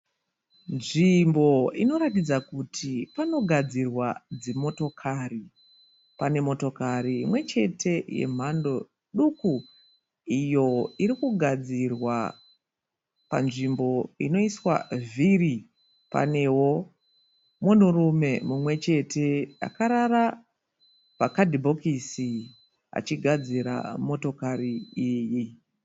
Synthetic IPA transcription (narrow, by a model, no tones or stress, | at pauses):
nʐimbo̞ino̞ɾatid͡zakutʰipano̞ɡʱad͡zirwad͡zemo̞to̞kʰari | pane̞mo̞to̞kariːmwe̞t͡ʃe̞tʰe̞je̞̰m̤ando̞ | ɗuku | ijo̞iɾikuɡʱad͡zirwa̰ | pa̰nʐimbo̞ḭno̞iswa̰viri | pa̰ne̞wo̞ | munurume̞mumwe̞t͡ʃe̞tʰe̞a̰kaɾara | pakadʱibʱo̞kisi | a̰t͡ʃiɡʱad͡ziɾa̰mo̞to̞kariiːji